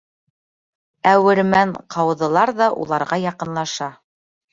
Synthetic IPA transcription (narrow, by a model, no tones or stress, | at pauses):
æwɘ̆ɾmæɴqʰɑwðɤ̆lˠɑɾðɑʔṵlˠɑɾʁɑjɑqɤ̆nlˠɑʃɑ